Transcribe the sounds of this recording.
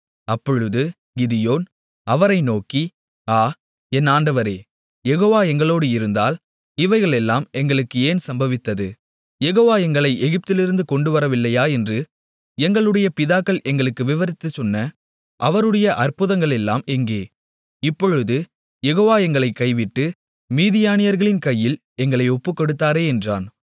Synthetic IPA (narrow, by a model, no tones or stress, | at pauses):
ɐpːɔɻɯðɯ | ɡɪðɪjoːn | ɐʋɐɾɐɪnoːki | aː | ɛnːaːɳɖɐʋɐɾeː | jɛɣoːʋaːɛŋɡɐɭoːɽɯɪɾɯnd̪aːl | ɪʋɐɪɣɐɭɛlːaːmɛŋɡɐɭɯkːɯeːnsɐmbɐʋɪt̪ːɐðɯ | jɛɣoːʋaːɛŋɡɐɭɐɪʔɛɣɪp̚t̪ɪlɪɾɯnd̪ɯkɔɳɖɯʋɐɾɐʋɪlːɐjaːɛndrɯ | ɛŋɡɐɭɯɽɐjɐpɪðaːkːɐɭʔɛŋɡɐɭɯkːɯʋɪʋɐɾɪt̪ːɯt͡ʃɔnːɐ | ʔɐʋɐɾɯɽɐjɐʔɐrpɯðɐŋɡɐɭɛlːa̰ːmɛŋɡeː | ɪpːɔɻɯðɯ | jɛɣoːʋaːɛŋɡɐɭɐɪkːɐɪʋɪʈːɯ | miːðɪjaːnɪjɐɾɣɐɭɪnkɐjːɪl | ɛŋɡɐɭɐɪɔpːɯkːɔɽɯt̪ːaːɾeːɛndra̰ːn